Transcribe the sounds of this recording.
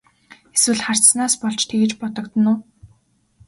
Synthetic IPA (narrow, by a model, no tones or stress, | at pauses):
eswɘ̆ɮχar̥t͡ssnaːspɔɮt͡ɕt̪ʰeɣɘ̆t͡ɕpɔt̪ɞ̆kt̪ə̆nʊː